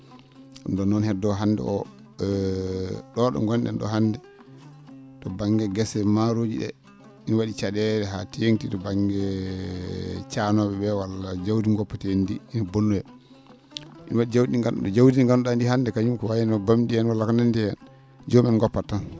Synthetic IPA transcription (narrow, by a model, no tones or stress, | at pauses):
undɔnːɔnhɛdːɔɦanːdɛ̰ʔɔ | ɗɔɗɔ̰ŋɡɔnɗɛ̰nɗɔ̰ɦandɛ | tɔbaŋɡɛɡɛsɛmaɾod͡ʒḭɗɛ̰ | inwaɗit͡ʃaɗɛɾɛɦa̰tijeŋtitɔbaŋɡɛ | t͡ʃanɔɓɛbɛwalːad͡ʒawdiɡɔpːatɛndiːnɔbonːujɛ | ʔinwaɗid͡ʒawdiiŋɡanɗɔ̰ɗɔd͡ʒawdinŋɡanɔɗandiɦandɛkaɲumkɔwajɛnɔbamdiɛnwalːakanandɛjɛn | d͡ʒɔmɛnɡɔpːatːan